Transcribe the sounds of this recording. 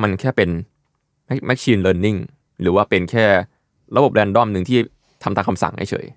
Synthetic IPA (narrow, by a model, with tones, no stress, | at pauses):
ma˧nkʰɛː˥˩pe˧n | mɛ˦˥k̚mɛ˦˥k̚t͡ɕʰiː˧nlɤː˧nːi˥˩ŋ | ɾɯː˩˦waː˥˩pe˧nkʰɛː˥˩ | ɾa˧bo˨˩p̚lɛː˧ndɔ˥˩mnɯ˧˩ŋt̪ʰiː˥˩ | t̪ʰa˧mt̪aː˧˩kʰa˧msa̰˨˩˦ŋha̰˥˩jt͡ɕʰɤ̰ː˩˦j